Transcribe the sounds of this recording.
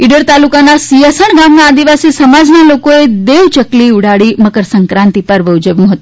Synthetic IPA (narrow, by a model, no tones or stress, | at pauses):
iɖəɾt̪alukanːasiəsəɳɡamnaːd̪iʋasiːsəmad͡znalokoed̪eʋt͡ʃəkliːuɽ̤aɽiməkəɾsəŋkɾant̪ipəɾʋəud͡ʒəʋiməɦət̪